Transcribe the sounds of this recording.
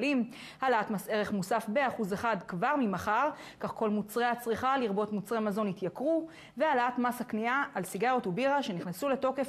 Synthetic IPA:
lim | halatmase̞ʁe̞χmusafbeaχuzeχad̪kvaʁmimaχaʁkaχko̞lmut͡sʁeat͡sʁiχaliʁbo̞tmut͡sʁemazo̞nit̪jakʁu | vealatmashakniaːlsiɡaʁotubiʁaʃe̞niχnasule̞to̞ke̞f

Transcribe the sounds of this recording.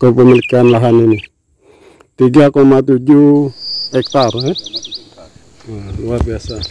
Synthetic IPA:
kopemilkanlaɦanini | t̪iɡakɔmat̪ud͡ʒu | ɛk̚t̪aɾɛ | aluabiasa

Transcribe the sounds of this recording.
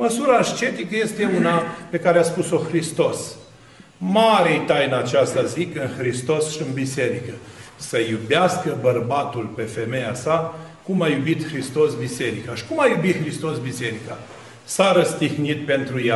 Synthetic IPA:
məsuɾaʃt͡ʃe̞t̪ikəje̞st̪e̞unape̞kaɾeaspuso̞xɾist̪o̞s | maɾejt̪ajnat͡ʃast̪azikɨnxɾist̪o̞sʃiɨnbise̞ɾikəsəjubeaskəbərbat̪ulpe̞fe̞me̞jasa | kumajubit̪xɾist̪o̞sbise̞ɾikaʃi̥kumajubit̪xɾist̪o̞sbise̞ɾika | saɾəst̪ihnit̪̚pe̞nt̪ɾuja

